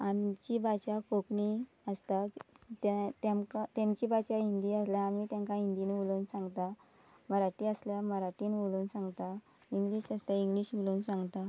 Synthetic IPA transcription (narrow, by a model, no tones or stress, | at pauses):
amt͡ɕibat͡ɕakokɳi | əst̪at̪at̪amkat̪emt͡ɕibat͡ɕaind̪iːəsljaːmiːt̪jãŋkaind̪inʋuluːnsãŋɡt̪a | məɾaʈiːəsljaməɾaʈiːnʋuluːnsãŋɡt̪a | iŋɡliːɕəst̪aiŋɡliːɕʋuluːnsãŋɡt̪a